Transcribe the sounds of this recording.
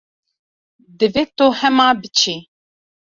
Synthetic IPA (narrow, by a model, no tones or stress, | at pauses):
d̪ɨvet̪ohɛmaːbɨt͡ʃʰi